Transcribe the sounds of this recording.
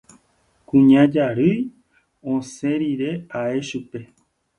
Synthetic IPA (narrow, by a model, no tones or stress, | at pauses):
kũɲãd͡ʒaɾɨj | õsẽɾiɾe̞ae̞ʃupe̞